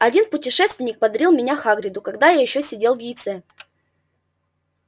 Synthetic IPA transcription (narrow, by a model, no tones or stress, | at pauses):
ɐdʲinpʊtʲɪʂɛst̪vʲɪnʲɪk̚pɐd̪ɐɾʲilˠmʲɪnʲaxaɡɾʲɪd̪ʊkɐɡd̪ajajɪɕːosʲɪdʲe̞lˠvjɪjt̪sɛ